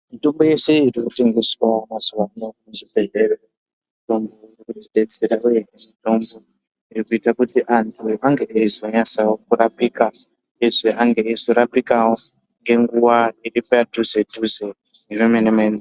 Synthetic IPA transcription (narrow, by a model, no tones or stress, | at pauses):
mito̞mbo̞je̞se̞irikute̞ŋɡe̞swamazuwanomet͡ʃibʱe̞ɮero | ito̞nboirikutiɗet͡se̞ɾauje̞neʐito̞mbo | irikuitakutiʔantʰuʔaŋɡe̞ezoɲasawokuɾapika | eʐeʔaŋɡeezoɾapikawo | ŋɡe̞ŋɡuwairipatuzetuze | neremenemen